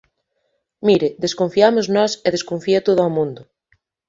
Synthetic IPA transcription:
miɾɪd̪eskoɱfiamoznɔseð̞eskoɱfiat̪oð̞ʊamũnd̪ʊ

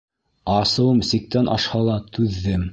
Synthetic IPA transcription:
ɑsɤ̆wɤmsik̚t̪ænʔɑ̰ʃhɑlˠɑt̪ʰʉðːɘm

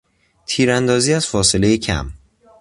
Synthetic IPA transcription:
t̪ʰiːɾænd̪ɒːziːæz̥fɒːse̞le̞jecʰæ̰m

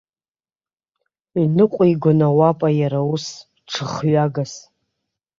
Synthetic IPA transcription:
inɨqʷʼiɡʷʊnawapʼajaɾaus | ʈ͡ʂʰɨχɥaɡas

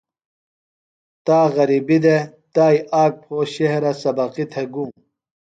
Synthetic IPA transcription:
t̪aːɣɐɾibid̪et̪aːjaːk̚pʰoːɕeɦɾɐsɐbɐqit̪ʰeɡuːm

